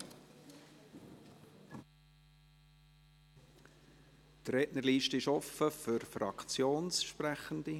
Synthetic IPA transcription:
t̪rɛʔnəɾliːʃtəɪʃɔfəfʏɾfɾɑkt͡sjoːnsʃpɾæχənd̪i

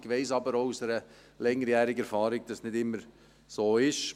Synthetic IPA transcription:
ɡ̥ʋɛɪsɑbəɾosəɾə | lɛŋəɾjɛːɾɪɡəɛɾfɑːɾɪɡ̚d̥ɑsnɪdɪmːəɾ | soːɪʃ

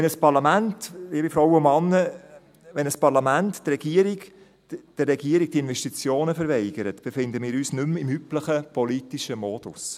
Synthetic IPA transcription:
ʋɛnəspɑɾlɑmæntiːbifɾɔwʊmɑnːə | ʋɛnəspɑɾlɑmænttrɛɡiəɾiɡ | d̥ərːɛɡiəɾik̚tiɪnvɛʃtit͡sjoːnəfəɾvɛɪɡ̥əɾət̪b̥efɪnd̪əmiːɾyːsnʉmɪmypləχəpʰɔlitiʃəmɔːd̥ʊs

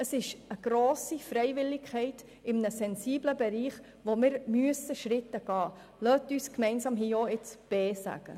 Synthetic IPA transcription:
əsɪʃəɡ̥ɾoːsifrɛɪvɪlːɪkʰɛɪt | ɪmnəsɛnsiːbləbɛɾiːχ | ʋomɪɾmyəsəʃɾɪtəɡ̥ɑː | lœtyːskmɛɪnsɑːmɦiːoɪt͡sb̥eːsæ̰ɡ̥ə̰

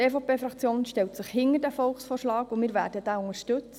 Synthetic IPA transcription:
eːfopeːfɾɑkt͡sjoːnʃtɛltsəχhɪŋːəɾdæfɔlχsfɔːrʃlɑːkʊmɪːɾvʋæ̰ːɾdəd̥æːʊŋəʃtɵt͡s

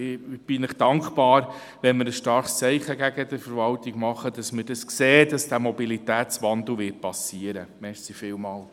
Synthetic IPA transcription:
b̥ɪnɪχd̥ɑŋkχpɑːɾ | ʋɛnmɪɾəsʃtɑɾχst͡sɛɪχəɡæɡədəfəɾvɑltɪɡmɑχədɑsmədɑskseːd̥ɑsd̥æːmɔbilitæːt̪t͡sʋɑnd̪l̩ʋɪt̚pɑsiəɾəmɛʃsifɪːwmɑːl

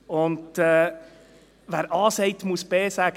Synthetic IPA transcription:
ʊndɛ | ʋæːɾʔɑːsɛɪt̪musb̥eːsæɡ

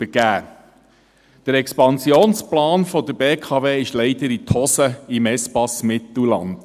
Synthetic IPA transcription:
əɡ̥æː | d̥əɾɛkspɑnsjoːnsplɑːnfɔd̥̪əɾbeːkʰɑːveːɪʃlɛɪd̥əɾitʰɔsəimɛspɑsmɪt̪l̩lɑ̰nd̥

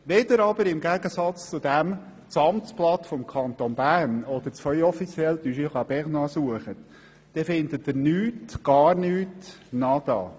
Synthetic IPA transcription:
ʋɛd̪əɾɑbəɾɪmɡæɡəsɑt͡st͡sʊd̪æm | t͡sɑmt͡splɑt̪fɔmkʰɑnt̪onbæːɾnɔd̪̥əɾt͡svœʏɔfit͡sjɛlt̪yːʃiχɑb̥ɛʁnɑsuəχət | d̪̥ɛfɪnd̪ətːɪɾnyːtɡ̥ɑːɾnyːt | nɑd̪̥ɑ̰ː

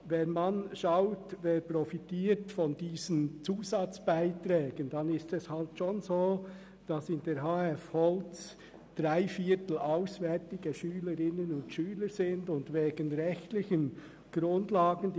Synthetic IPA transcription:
vɛnmanʃaʊtveːɾprɔfitiːɾtfɔndiːzənt͡suːzɑt͡sb̥aɪtɾɛːɡ̥ənd̥ɑnɪstɛshaltʃonzoː | d̥ɑsɪndeɾɦaːɛfhɔlt͡s | d̥ɾaɪfiːtl̩aʊsvɛɾtɪɡəʃyːləɾɪnənʊntʃyːləɾzɪndʊndveːɡənʁɛçtlɪçən | ɡ̥ɾʊndlaːɡən̩d

